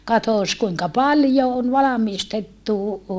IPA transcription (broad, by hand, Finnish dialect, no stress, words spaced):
kɑtoˑs kuiŋkɑ pɑljo on ʋɑlɑmistetːu